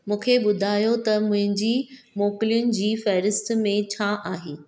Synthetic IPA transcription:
mũːkʰeɓʊd̪ʱaːjot̪ɐmʊ̃ɦɪ̃ɲd͡ʑiː | moːkɪlijʊnɪ̆d͡ʑiːfɛːɾɪsʈmẽt͡ɕʰaʔaːɦeː

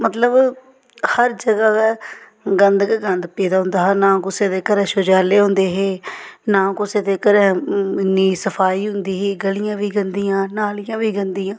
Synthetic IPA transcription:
mət̪ləb | həɾd͡ʒəɡaːkɛː | ɡənd̪kaɡənd̪peːd̪aːɦʊ̃nd̪aːɦɛːnãːkʊseːd̪eːkəɾɛ̃ːʃʊːd͡ʒaːleːɦʊ̃nd̪eːɦeːnãːkʊseːd̪eːkəɾɛ̃ːɪnːiːsəpʰaːiːɦʊnd̪iːɦeːɡəlɪjãːʋiːɡənd̪iːãːnaːlɪjãːʋiːɡənd̪iːãː

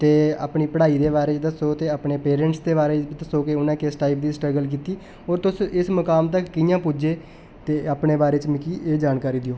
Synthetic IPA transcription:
t̪eːa̰ːpniːpəɽaːiːd̪eːβaːɾeːt͡ʃd̪əsoːt̪eːaːpneːpeːɾɛ̃ɳʈsd̪eːβaːɾeːt͡ʃd̪əsoːkeʊnãːkesʈaːip̚d̪iːsʈɾəɡəlk̬iːt̪iː | oːɾt̪ʊsɪsməkaːmt̪əkːɪjãːpud͡ʒeː | t̪eːaːpneːbaːɾeːt͡ʃmɪkiːʔeːd͡ʒaːnkaːɾiːd̪ɪoː

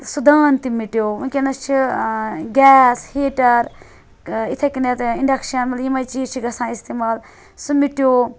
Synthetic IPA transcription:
sud̪aːnt̪imiʈijoːunkʲenɐst͡ʃʰi | ɡʲɛːsheːʈɐɾ | it̪ʰekinet̪iɳɖɐkʃɐnmɐljimɐjt͡ʃiːt͡ʃʰiɡɐsãːist̪emaːl | sumiʈjoː

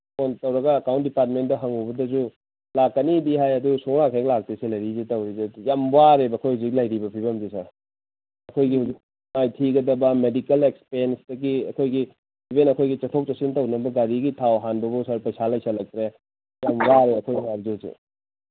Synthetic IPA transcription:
ontɐwɾɐɡɐːkawntdipaɾt̬̚mentdɐɦɐŋubɐdɐzu | lakːɐnidiɦajɐdusuŋɾakʰajɡlak̚teselɐɾizetɐwɾizejambaɾebɐkʰojhuzik̚lajɾibɐpʰibɐmzisa | ɐkʰojɡihuzik̚ | majtʰiɡɐdɐbɐmedikɐlek̚spensdɐɡiɐkʰojɡi | bʰibenɐkʰojɡit͡ʃɐtʰok̚t͡ʃɐsintɐwnɐbɐɡaɾiɡitʰawɦanbɐbɐwsaɾpɐjsalɐjsɐlɐk̚tɾe | jamwaɾeɐkʰojwabzezḛ

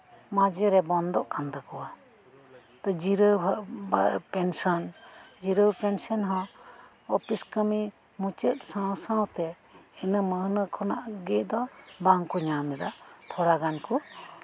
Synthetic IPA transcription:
mad͡ʒɛɾɛbɔnd̪ɔʔkʰand̪akɔwa | t̪ɔd͡ʒiɾəapɛnsɔnd͡ʒiɾəwpɛnsɔnɦɔ̃ | ɔpiskəmi | mut͡ʃət̪̚sãwsãwt̪ɛ | ɛnəməhnəkʰɔna̰ʔɡɛd̪ɔbaŋkɔɲamɛd̪aʔt̪ʰɔɾaɡanku

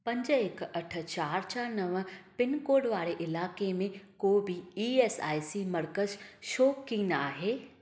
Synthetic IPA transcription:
pɐ̃ɲd͡ʑɪkɐʈʰə̆t͡ɕaːɾt͡ɕʰanɐʋpɪnkoːɖʋaːɾeʔɪlaːkemẽkoːbiiːeːsa̰ːjsimɐɾkəzʃoːkːiːnaːɦeː

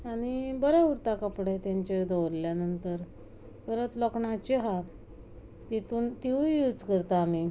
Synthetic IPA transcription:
aɽ̃ibəɾɛuɾt̪akəpɽet̪jaɲt͡ɕed̪əwɾljanənt̪əɾ | bəɾət̪lɔkɳat͡ɕeɦat̪ | t̪it̪uːnt̪iʋjud͡zkəɾt̪aːmi

